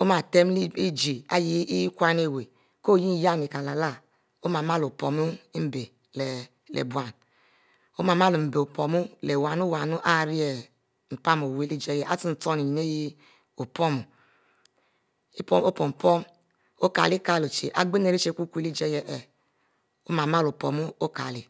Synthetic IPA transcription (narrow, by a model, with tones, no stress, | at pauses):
o˦ma˨te˦m˦li˦d͡ʒi˨a˦ji˦kʷa˦n˦e˦˨we˨ | ko˦˨ji˦n˦ja˦˨ni˨ka˨la˨la˦ | o˦ma˨ma˦lo˨po˨mu˦m̩˦be˨ | le˨ | lḛ˨bwa˨n | o˦ma˨ma˦lu˨m̩˨be˨o˨po˨mu˦le˨wa˨nu˦wa˨nu˦ʔa˦˨ɾi˦e˨ | m̩˨pa˦mo˨we˦li˦d͡ʒe˦jɛ˨a˦ti˦n̩˨to˦ni˨ji˨ne˦ji˦ | o˨pɔ˦mu˨ | i˦po˦mo˦po˨m˨pɔ˦m | o˦ka̰˨li˦ka˦˨lo˨t͡ʃḛ˨ʔa̰˨ɡ͡be˦ne˨ɾi˦t͡ʃe˦kʷu˦ku˦e˦li˦d͡ʒe˦jɛ˦ʔɛ˨ | o˦ma˨ma˦lo˨po˨mu˦o˦ka̰˨li˨